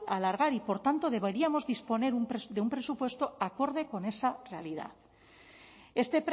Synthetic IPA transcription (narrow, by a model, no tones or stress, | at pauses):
alaɾɣ̞aɾipo̞ɾt̪ant̪o̞ð̞e̞βeɾiamo̞zðispo̞ne̞ɾumpɾed̪eumpɾe̞supwe̞st̪o̞ako̞ɾð̞e̞ko̞ne̞sare̞alið̞a̰θ | e̞st̪e̞pɾ